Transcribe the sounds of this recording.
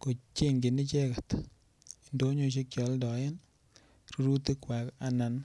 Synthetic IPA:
ko˨t͡ʃːe˦ŋɡi˨nɪ˦t͡ʃɛ˦ka˨t̪ | ndo˦ɲo˦˨t͡ʃ̬e˦kjɔ˨ldɔ˨ɪ˦n | ɾu˦ɾu˦t̪e˦kwa˨ka˨˦na˨n

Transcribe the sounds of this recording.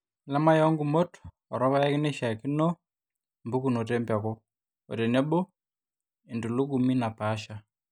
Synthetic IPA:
la˦ma˦jɔ˦ŋɡu˨mɔ˦t | ɔ˨ɾɔ˦βa˦ja˦ki˦nɛ˦ʃa˨ki˦nɔ˦ | mbu˦ku˨nɔ˨tɛ˦mbja˨kɔ˦ | ɔ̰˨tɛ˨nɛ˦bɔ˦ | e˨ndu˨lu˦ɡu˨mi˦na˨pa˦ʃa˨

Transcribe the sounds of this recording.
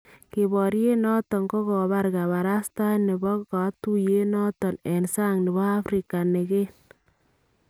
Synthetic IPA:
ke˨bɔ˨ɾje˦nɔ˦tɔ˨ŋkɔ˦kɔ˨ba˦ɾka˨βa˨ɾa˦sta˦jne˨bɔ˦ka˨tu˦je˦nɔ˦tɔ˨ne˨nsa˦ŋne˨βɔ˦a˦fɾi˨ka˨ne˨ɣe˦n

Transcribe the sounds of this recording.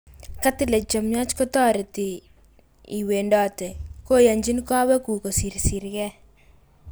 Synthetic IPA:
katɪ˦le˨t͡ʃa˨mɲa˦t͡ʃko˦tɑː˦ɾɪ˨ti˨ | ḭ˨weː˨ndɑ˦tɛ˨ko˦ja˨ɲd͡ʒi˦nkaː˦wɛ˦ku˨ko˨si˨ɾsiɾkɛ

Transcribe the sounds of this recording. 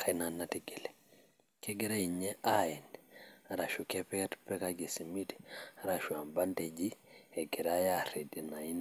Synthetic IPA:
kʰa˦inanːati˨ɡe˨le˨ | ke˦ɡi˦ɾa˦i˨ɲe˦ʔajenaɾa˨ʃukepetpe˦kaɡe˨si˨miti̥aɾaʃua˨mba˦nte˨d͡ʒi˦e˨ɡe˨ɾaja˦ɾe˨di˨na˨in

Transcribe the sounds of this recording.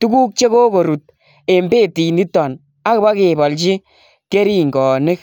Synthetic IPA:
tu˦ku˦k̚t͡ʃe˦ko˦ko˨ɾu˨t̚ | e˨mbeː˦ti˨ni˦tɔ˨n | a˦kba˦ke˨bɔ˨lt͡ʃi˦ | ke˦ɾi˦˨ŋɡɔː˨nɪ˦k̚

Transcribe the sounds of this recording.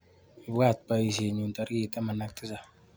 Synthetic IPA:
i˨ba˦˨t̚pa˦i˨se˨ɲu˨nta˨˦ɾi˨ta˦ma˨na˦k̚ti˦sa˨

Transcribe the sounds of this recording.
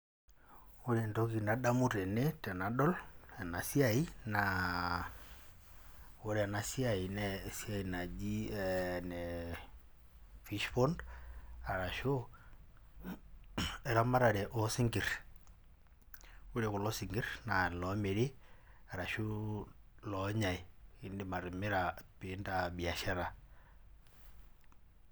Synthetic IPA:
u˦ɾe˨ndɔ˦ki˨na˨ɗa˦mu˦ɾɛ˨nɛ˦tɛ˨na˨ɗɔ˦lɛ˨na˨si˦ai˦na | u˦ɾa˨na˨si˦a˨i˨nɛsi˦a˨i˨na˨d͡ʒi˦nɛ | fi˦ʃfɔ˦nda˨ɾa˨ʃo˦ | ɛ˨ɾa˦ma˦ɾaɾɛ˨ʔɔsi˦ŋɡi˨r | u˦ɾe˨ku˨lɔ˦si˨ŋɡi˦ɾna˨lɔmi˨ɾi˦ | a˨ɾa˨ʃu˦ | lɔɲa˨ii˦ndi˨ma˨ɾi˨mɪ˦ɾapindabi˨a˨ʃɛ˦ɾa˨

